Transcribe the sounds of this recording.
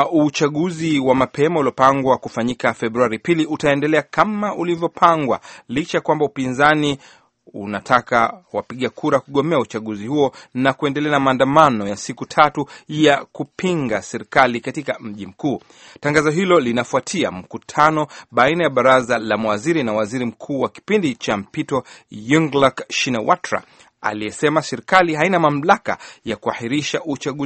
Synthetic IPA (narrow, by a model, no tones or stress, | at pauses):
ut͡ʃaɠuziwamapʰɛmaulɔpaŋɡwakufaɲikafɛɓɾuaɾipiliʔutaɛndɛlɛakʰamaʔulivjɔpʰaŋɡwa̰lit͡ʃajakwambaupinzani | ṵnatʰakawapiɠakʰuɾakuɠɔmɛaut͡ʃaɠuzihuɔnakuɛndɛlɛanamaːndamanɔjasikutʰatujakupʰiŋɡasɛɾikalikatikam̩ʄim̩kuː | taŋɡazɔɦilɔlinafuatʰia̰m̩kutʰanɔɓainajaɓaɾazalamawaziɾinawaziɾim̩kʰuːwaki̥pindit͡ʃam̩pitɔjuŋɡlakʃinɛwʔatɾa̰ | a̰lijɛsɛmasɛɾikaliɦainamam̩laka̰jakuahiɾiʃaʔut͡ʃaɠu